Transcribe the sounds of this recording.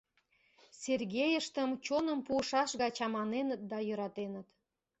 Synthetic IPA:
sʲerɣʲejəʃt̪əmt͡ɕonəmpuəʃɑʃɣɑt͡ɕɑmɑnenət̪̚d̪ɑjø̆ɾɑt̪enət̪

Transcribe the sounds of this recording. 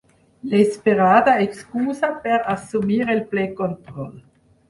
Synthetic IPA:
lespeʁaːd̪aekskuːzapɛʁasumiːʁelplekont̪ʁɔl

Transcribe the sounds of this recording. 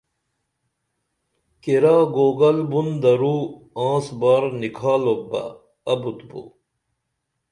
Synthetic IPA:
kiɾaːɡoːɡɐlbund̪ɐɾuː | ãːsbaːɾnikʰaːlobɐ̰ | ɐbut̪bṵ

